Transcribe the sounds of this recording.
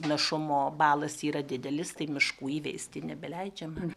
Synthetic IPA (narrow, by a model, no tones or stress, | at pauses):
nɐʃʊmoːbɑːlˠɐsiːɾɐd̪ʲɪd̪ʲɛlʲɪst̪ɐɪmʲɪʃkuːiːʋʲɛɪsʲt̪ʲɪnʲɛbʲɛlʲɛɪd͡ʒʲɛm